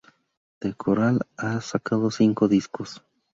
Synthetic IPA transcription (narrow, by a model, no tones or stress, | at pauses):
d̪̥ekʰoɾalasakaðo̞siŋko̞ðiskos